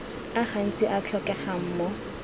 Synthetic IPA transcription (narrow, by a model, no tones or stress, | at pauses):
aχan̩t͡sʼɪʔat͡ɬʰɔkɛχam̩ːmɔ